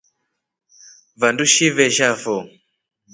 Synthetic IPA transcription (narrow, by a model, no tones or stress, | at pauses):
vanduʃivɛʃafɔ